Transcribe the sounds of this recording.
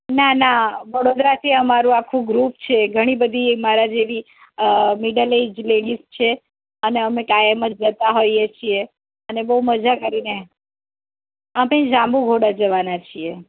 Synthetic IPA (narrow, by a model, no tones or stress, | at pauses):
nanaʋəɽod̪ɾat̪ʰiəmaɾũakʰũɡɾupt͡ʃʰeɡʱəɽ̃ibəd̪ʱimaɾad͡ʒeʋi | miɖəled͡ʒleɽist͡ʃʰe | əneəmekajəməd͡ʒd͡ʒət̪aɦojet͡ʃʰie | ənebəɦuməd͡ʒakəɾine | əmẽd͡ʒãmbũɡʱoɽad͡ʒəʋanat͡ʃʰie